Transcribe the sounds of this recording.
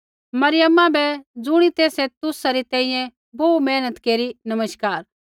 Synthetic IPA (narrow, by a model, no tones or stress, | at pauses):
mɐɾɪjəmːãbɛd͡zʊɽ̃it̪eːsɛt̪ʊsaɾit̪ɛ̃ːĩjɛ̃ | boːmɛːnət̪keːɾinɐməʃkaːɾ